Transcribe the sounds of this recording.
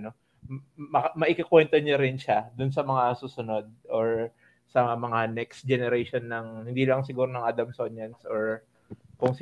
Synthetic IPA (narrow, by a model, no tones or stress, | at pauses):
no | ɐmɐʔɪkɐkwɛnt̪oɲoɾɪnʃad̪ʊns̬ɐmɐŋasuːsʊno̞d̪̚ʔoɹ | sɐmɐŋanɛkst̪̚d͡ʒɛnɛɾejʃonːɐŋhɪnd̪iːlɐŋsɪɡuːɾonɐŋʔaːd̪ɐmsoɲjɐnsʔoɹ | kʊŋs